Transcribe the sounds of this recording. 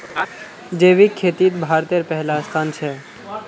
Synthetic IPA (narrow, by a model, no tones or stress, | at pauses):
d͡ʒeːʋikʰːeːt̪it̪̚bʱaːɾt̪eɾpɛɦlast̪ʰaːnt͡ʃʰɛː